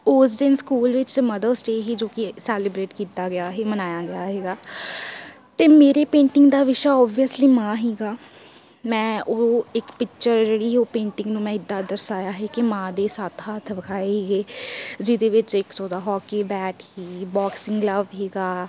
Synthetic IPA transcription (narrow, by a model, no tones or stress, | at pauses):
ʊs̬d̪ɪnskuːlʋɪt͡ʃməd̪əsʈeːɦiːd͡ʒoːkɪsɛːləbɾeːʈkiːt̪aːɡɪaːɦeːmənaːjaːɡɪjaːɦɛːɡaː | t̪eːmeːɾeːpẽːɳʈɪŋɡd̪aːʋɪʃaːɔːbiəsliːmãːɦɛːɡaː | mɛ̃ːʔoːɪkpɪkt͡ʃəɾd͡ʒeːɽiːɦoːpẽːɳʈɪ̃ŋɡnũːmɛ̃ːɪd̪ːãːd̪əɾsaːjaːɦɛːkɪmãːd̪eːsaːt̪ʰɦaːt̪ʰbəkʰaːeɦeːɡeːd͡ʒɪd̪eːʋɪt͡ʃɪksɔːd̪aːɦɔːkiːbɛːʈhiːbɔːksɪ̃ŋɡləʋɦeːɡaː